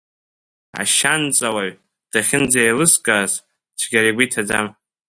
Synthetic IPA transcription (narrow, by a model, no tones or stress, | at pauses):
a̰ʃant͡sʼawaɥ | d̥aχʲɪnd͡zajlɨskʼaːz | t͡ʃʷʰɡʲaɾiɡʷitʰad͡za̰m